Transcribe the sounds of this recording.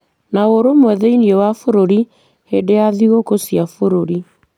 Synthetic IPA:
naoɾomwɛðɛiniɔwafoɾoɾi | hedeaðiɣokosiafoɾoɾi

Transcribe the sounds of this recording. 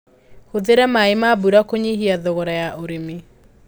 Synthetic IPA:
hoðeɾɛmaemabuɾakoɲihiaðɔɣɔɾajaʔoɾeme

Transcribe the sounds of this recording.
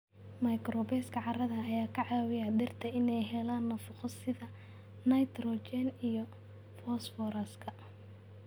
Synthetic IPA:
mɐjkrɔbɛːskʰɐʕɑrɐðɐːjaːkʰɐʕɑːwɪjɐd̪ɪrt̪ʰɐɪnɛjɦɛlaːnːɐfɑqɔsɪðɐ | nɐjt̪ʰrɔt͡ʃɛnijɔ | fɔsfɔɾɐskʰɐ

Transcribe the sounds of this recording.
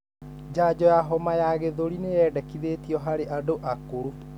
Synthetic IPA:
d͡ʑaːd͡ʑɔjaɦɔmajaɣeðoɾinejɛːdɛkiðetiɔɦaɾeʔadoʔakoɾo

